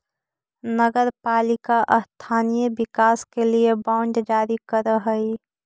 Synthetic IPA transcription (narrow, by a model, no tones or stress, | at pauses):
nəɡəɾpaːlɪkaʔəst̪ʰaːnijəbɪkaːskeliebaʊɳɖd͡ʒaːɾikəɾəɦəi